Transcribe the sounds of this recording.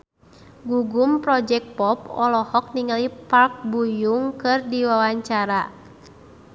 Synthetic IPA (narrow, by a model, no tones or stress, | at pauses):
ɡuɡumpɾɔd͡ʒɛk̚pɔpɔlɔhɔk̚niŋalipark̚bujuŋkɨrdiwawaɲt͡ʃaɾa